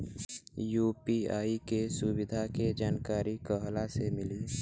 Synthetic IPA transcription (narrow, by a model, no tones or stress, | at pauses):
juːpiaːikesʊwɪd̪ʱaked͡ʒaːnkaːɾikəɦlasemɪliː